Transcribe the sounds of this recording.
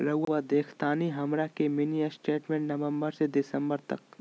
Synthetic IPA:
ɾɐɦʊad̪eːkʰt̪aːniɦɐmɾakeminijəsʈeːʈmẽːɳʈnɐʋə̃mbəɾsed̪ɪsə̃mbəɾt̪ɐ̰k̚

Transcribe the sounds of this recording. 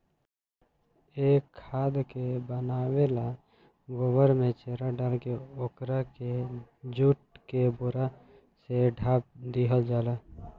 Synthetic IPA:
eːkʰːaːd̪kebənaːwela | ɡoʋəɾmẽt͡ʃeːɾaɖalkeoːkɾaked͡ʒuʈ̚kebʊɾa | seɖʱaːp̚d̪iːɦəld͡ʒaːlaː

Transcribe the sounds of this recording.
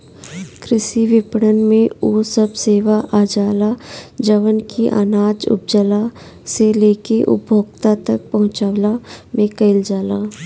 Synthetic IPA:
kʰɾɪʃiʋɪpɽənmẽoːsəbseːʋaʔaːd͡ʒaːlad͡ʒəʋənkiʔa̰ːnaːd͡ʒʊ̰p̚d͡ʒəlaseleːkeʔʊ̰bʱoːɡ̚t̪at̪ɐk̚pɐɦʊ̃t͡ʃaːʋlamẽkəɪld͡ʒaːlaː

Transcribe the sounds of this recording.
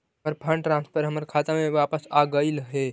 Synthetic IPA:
əɾpʰəɳɖʈɾãnspʰəɾɦəməɾkʰat̪ameʋapəsaɡəɪlɦe

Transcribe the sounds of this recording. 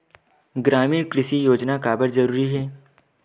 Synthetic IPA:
ɡɾaːmiːɾkɾɪʃijoːd͡ʒnakaːbəɾzɐɾuːɾiɦɛː

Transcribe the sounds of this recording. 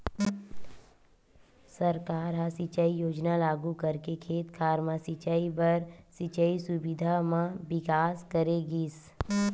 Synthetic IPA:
sɐɾkaːɾɦasɪt͡ʃəijoːd͡ʒnalaːɡukəɾkekʰeːt̪kʰaːɾmãsɪt͡ʃaibɐɾsɪt͡ʃəisʊbɪd̪ʱamãbɪkaːskəɾeɡiːs

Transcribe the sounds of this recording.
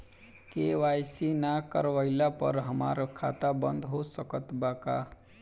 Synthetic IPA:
keʋajsinakəɾʋaɪlapə̰ɾɦəma̰ɾkʰa̰t̪abə̃nd̪ɦosəkət̪baka

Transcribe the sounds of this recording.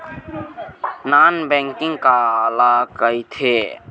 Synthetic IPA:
nanbɛ̃ŋkɪ̃ŋɡkaəlakəjt̪ʰe

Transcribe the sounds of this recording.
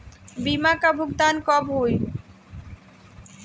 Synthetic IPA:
bimakabʱoɡd̪ankɔbɦoj

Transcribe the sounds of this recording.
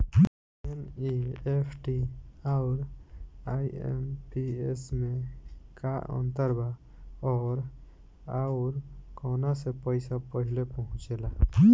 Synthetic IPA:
enieːpʰʈiaɾaːiḛmpiesmẽkaə̰̃nt̪əɾba | ɔːɾ | aʊɾkɔːnasepəɪsapəɦɪlepəɦʊ̃t͡ʃela

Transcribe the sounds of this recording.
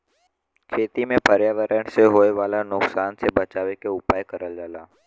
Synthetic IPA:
kʰeːt̪imẽpəɾjaːʋəɾəɳ̃seɦoːeʋaːlanʊksaːnsebət͡ʃaːʋekeʊpaːjkəɾəld͡ʒaːlaː

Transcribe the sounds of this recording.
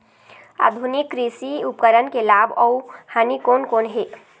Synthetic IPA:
a̰d̪ʱunikːɾisiupkəɾənkelabɔuhanikonkonɦe

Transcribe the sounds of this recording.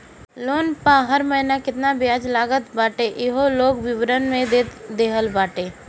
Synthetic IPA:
loːnpãɦəɾməɦɪnakɪt̪nabɪaːd͡ʒlaːɡət̪baːʈeʔɪɦoloːɡʋɪʋɾənmẽd̪ed̪eːɦəlbaːʈeː

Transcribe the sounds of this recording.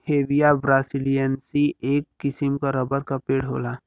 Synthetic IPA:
heːʋijabɾaːsilijənsieːkːɪsɪmkaɾɐbəɾkapeːɽɦo̰ːlaː

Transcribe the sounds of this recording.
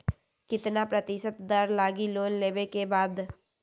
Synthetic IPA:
kɪt̪napɾət̪ɪʃət̪d̪ɐɾlaːɡiloːnleːbekebaːd̪

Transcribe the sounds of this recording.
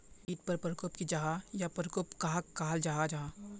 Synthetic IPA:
iːt̪pɐɾpəɾkopkid͡ʒaːɦajapəɾkopkaːakkaːld͡ʒaɦad͡ʒaː

